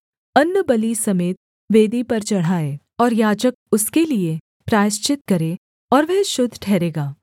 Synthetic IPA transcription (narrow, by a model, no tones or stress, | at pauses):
ɐnːəbɐlisɐmeːt̪̚ | ʋeːd̪ipɐɾt͡ʃɐɽ̤aːe | ɔːɾjaːd͡ʒək̚ʊskelie | pɾaːʃt͡ʃɪt̪̚kɐɾeː | ɔːɾʋɛɦʃʊd̪ʱːʈʰɛːɾeːɡaː